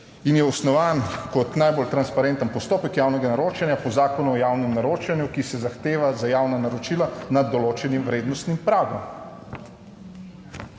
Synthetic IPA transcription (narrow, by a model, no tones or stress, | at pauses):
injɛɔsnɔʋaːnkɔt̪najbolt̪ɾanspaɾent̪ənpɔst̪oːpəkjaːwnɛɡanaɾoːt͡ʃɛnjapɔzaːkɔnuɔjawnɛmnaɾoːt͡ʃɛnjukisɛzaxt̪eːʋazajaːwnanaɾɔt͡ʃilanad̪ːɔloːt͡ʃɛnimʋɾeːd̪nɔst̪nimpɾaːɡɔ̰m